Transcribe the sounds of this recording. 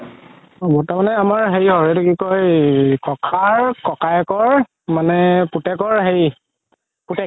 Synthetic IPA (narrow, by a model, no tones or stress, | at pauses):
bɔtamanɛamaɹɦejɦɔɹɛdekikojkɔkʰaɹkɔkajkɔɹ | manɛputɛkɔɹɦej | putɛk